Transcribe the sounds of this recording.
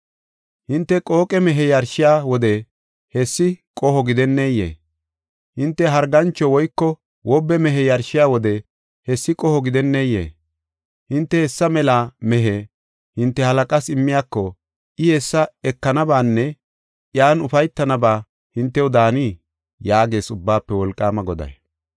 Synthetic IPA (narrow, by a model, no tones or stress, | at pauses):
hɪnt̪ːɛkʼoːkʼɛmɛɦɛjɐɾʃɪjaːwɔd̪ɛ | hɛsːɪkʼɔhɔɡɪd̪ɛnːejḛː | hɪnt̪ːɛɦɐɾɡɐnt͡ʃːɔwɔjkːɔ | wɔbːɛmɛɦɛjɐɾʃɪjaːwɔd̪ɛ | hɛsːɪkʼɔhɔɡɪd̪ɛnːejḛː | hɪnt̪ːɛhɛsːɐmɛlamɛɦɛ | hɪnt̪ːɛhɐlɐkʼɐsɪmːɪjaːkːɔ | ʔɪjesːɐɛkːɐnɐbaːnːɛ | jaːnʊfɐjt̪ːɐnɐbaː | hɪnt̪ːɛʊd̪aːni | jaːɡe̞ːsʊbːaːpːɛwɔlkʼːaːmɐɡɔd̪ɐ̰j